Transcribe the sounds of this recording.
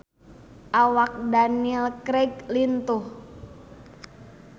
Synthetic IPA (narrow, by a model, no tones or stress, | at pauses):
ʔawak̚daniɛlkɾɛɡlint̪uh